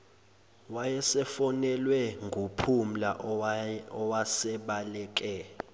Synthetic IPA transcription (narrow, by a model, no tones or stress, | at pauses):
wajɛsɛfɔnɛlwɛŋɡʱupʰum̩laʔ | ɔwasɛɓalɛːk̬ʼɛ